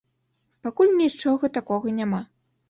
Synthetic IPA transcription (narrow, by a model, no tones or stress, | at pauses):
pakulʲnʲit͡ʂɔɣɐt̪akɔɣɐnʲama